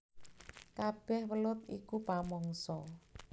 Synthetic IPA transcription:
kab̥ɛhwəlʊt̪̚ikupamɔŋsɔ

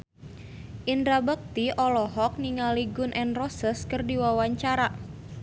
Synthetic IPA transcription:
ʔindɾabək̚t̪iʔɔlɔɦɔk̚niŋaliɡʊnʔɛnrɔsəskərdiwawaɲt͡ʃaɾa

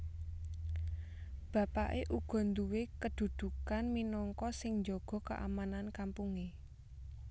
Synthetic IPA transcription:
b̥ä̤paʔeʔuɡ̥ɔ̤nd̪uwekəd̪̥ṳd̪̥ṳkanminɔŋkɔsɪŋɲd͡ʒɔɡ̥ɔ̤kə̰ʔa̰manankampuŋe

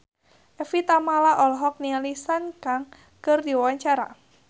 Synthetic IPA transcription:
ʔɛfit̪amalaʔɔlɦɔk̚nialisankaŋ | kərdiwawaɲt͡ʃaɾa̰

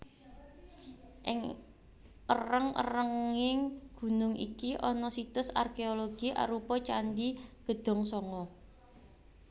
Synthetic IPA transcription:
ʔɪ̰ŋ | ərəŋə̰rəŋɪŋɡ̥ṳnʊŋʔḭkiʔɔnɔsit̪ʊsa̰rkeoloɡ̥iʔa̰ɾupɔt͡ʃand̪iɡ̥ə̤d̪̥ɔ̤ŋsɔŋɔ

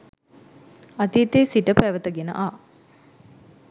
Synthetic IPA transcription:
ɐt̪iːt̪eːsiʈəpæːʋɐt̪ɐɡenɐ̰ʔaː

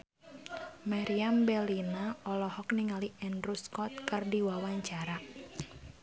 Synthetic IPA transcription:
maɾiambɛlinaɔlɔhɔk̚niŋaliʔɛndɾuskɔt̪̚kɨrdiwawaɲt͡ʃaɾa

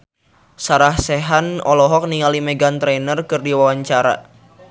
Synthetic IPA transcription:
saɾahseɦanɔlɔɦɔk̚niŋalimɛɡant̪ɾenərkɨrdiwawaɲt͡ʃaɾa̰

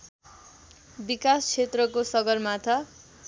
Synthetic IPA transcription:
bikast͡sʰet̪rʌkosʌɡʌrmat̪ʰa

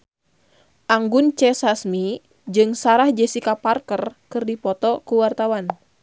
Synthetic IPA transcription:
ʔaŋɡʊnt͡ʃɛsasmi | d͡ʒɨŋsaɾahd͡ʒɛsikaparkərkɨrdipɔt̪ɔkuwart̪awan

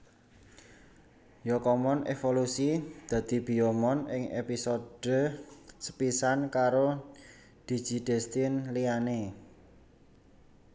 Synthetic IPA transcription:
jɔkɔmɔnḛfolusid̪̥ä̤d̪̥i̤b̥i̤omɔnɪŋḛpisod̥ə̤sə̥pisankaɾo | d̪̥i̤̥d͡ʒ̥i̤d̪̥ɛ̤st̪ɪnliane

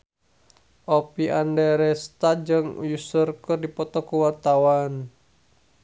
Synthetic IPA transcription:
ʔopiʔandɛɾɛst̪ad͡ʒəŋjusərkərdipɔt̪ɔkuwart̪awan

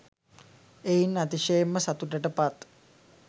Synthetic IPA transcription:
einːat̪iʃejemːəsat̪uʈəʈəpat̪

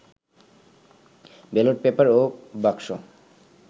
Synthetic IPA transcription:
beloʈ̚pepaɾobakʃo̰

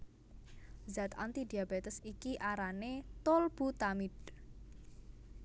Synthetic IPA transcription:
zat̪a̰nt̪id̪i̤abet̪əsikiʔaɾanet̪olb̥ut̪amid̪

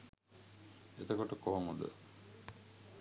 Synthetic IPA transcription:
et̪əkoʈəkoɦoŋud̪ə̰

